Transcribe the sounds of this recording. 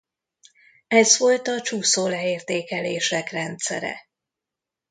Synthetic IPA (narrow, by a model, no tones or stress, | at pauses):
ɛzvo̞lt̪ɒt͡ʃuːsoːlɛeːrt̪eːkɛleːʃɛkrɛnt̪sɛ̰ɾɛ̰